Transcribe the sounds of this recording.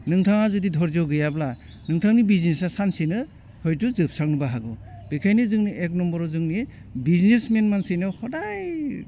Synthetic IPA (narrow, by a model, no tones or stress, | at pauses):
nɯŋtʰaŋazudidʱɔɾzawɡɯjabla | nɯŋtʰaŋnibiznesasansinɯ | hɔjtuzɯp̚saŋnɯbaɦaɡɔb̥ikʰajnɯzɯŋniʔek̚nɔmbɔɾɔzɯŋni | biznesmenmansɯjnɯhɔdaj